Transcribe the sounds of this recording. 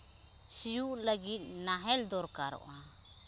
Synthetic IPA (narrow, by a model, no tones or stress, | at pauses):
sijuʔlaɡit̪̚naɦɛld̪ɔɾkaɾɔ̰ʔa